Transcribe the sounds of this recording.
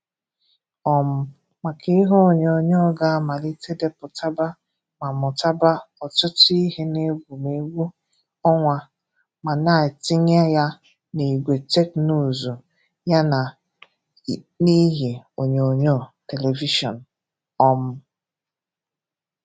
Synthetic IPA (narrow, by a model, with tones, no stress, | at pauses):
ɔ˦m̩˦ | ma˨kʰɪ˦ɦo˦o˨ɲo˨ɲo˦˨ɡa˦a˦ma˨li˦te˦de˦pʊ˨tʰa˦ba˦ | ma˨mʊ˨ta˦ba˦ɔ˨tʊ˦ti˦ɦne˦ɡʷu˨me˨ɡʷu˦ | ɔ˦ŋʷa˨ | ma˨na˦˨tɪ˦ɲ˦a˦ja˦ | ni˨i˨ɡʷe˨te˦knu˦˨zu˨ | ja˦na˨ | ni˦ɦe˨o˨ɲ˨o˨ɲo˦˨te˨le˨vi˦ʃɔ̰˨n̩˨ | ɔ˦m̩˦